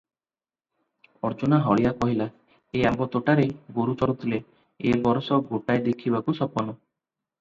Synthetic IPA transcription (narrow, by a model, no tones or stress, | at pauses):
ɔɾd͡ʒunaɦɔɭijakɔɦila | eabɔt̪oʈaɾeɡoɾut͡ʃɔɽut̪ʰile | ebɔɾɔsɔɡoʈajd̪ekʰibakusɔpɔnɔ